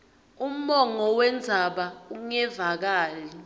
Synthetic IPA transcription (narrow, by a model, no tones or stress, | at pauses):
um̩mɔŋɔwɛnd͡zʱaɓauŋɛvak̬aːli